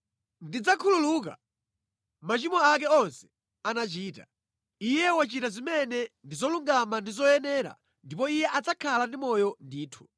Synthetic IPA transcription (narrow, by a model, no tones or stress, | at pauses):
ndid͡zakʰululuːk̬a̰ | mat͡ʃimɔak̬ɛɔnsɛ̥ | anat͡ʃiːta | ijɛwat͡ʃitazimɛnɛndizɔluŋɡamandizɔjɛnɛɾa̰ | ndip̬ɔijɛʔat͡sakʰalandimɔjɔndiːtʰu̥